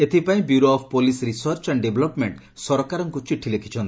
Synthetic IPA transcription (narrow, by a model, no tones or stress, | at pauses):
et̪ʰipaĩbjuɾoɔpʰpolisɾisɔɾt͡ʃaɳɖebʱɔlɔpmeɳʈ | sɔɾɔkaɾɔŋkut͡ʃiʈʰilekʰi̥t͡ʃʰɔnt̪i